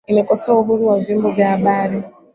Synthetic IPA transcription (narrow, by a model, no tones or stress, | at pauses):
emekosoːɦuɾuwauviːmboɡabaːɾe